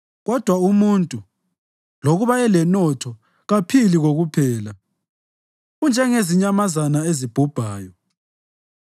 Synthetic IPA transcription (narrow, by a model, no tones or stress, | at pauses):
ɣɔd̥ʱwaumuntʼu | loɣuβaɛlɛnɔtʰɔ | ɣapʰiliɣoɣupʰɛːla | ɣund͡ʒʱɛŋeziɲamazanaezib̥ʱub̥ʱaːjɔ